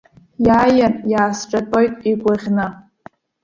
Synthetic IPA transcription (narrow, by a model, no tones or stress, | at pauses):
jaːjanjaːsʈ͡ʂʼatʼojtʼiɡʷʼaʁʲnɨ